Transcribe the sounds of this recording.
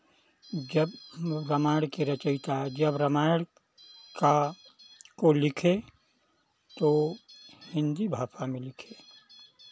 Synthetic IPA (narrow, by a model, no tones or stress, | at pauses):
d͡ʒəbɾəmaːɪɽkeɾɐt͡ʃəɪt̪ad͡ʒəbɾəmaːɪɽ | ka | kolɪkʰe | t̪o | hɪ̃nd̪ibʱaːpʰamẽlɪkʰe